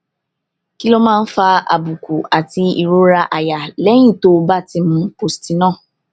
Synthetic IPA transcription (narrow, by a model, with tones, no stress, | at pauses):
ki˦lo˦mãː˦˧n̩˦fa˧a̰˨bu˨ku˨a˨ti˧i˨ɾo˦ɾa˧ʔa˨ja˨lɛ˦j̃ĩ˦˨to˧ba˦˨ti˧mũ˧po˧˦sti˨˦nãː˦˨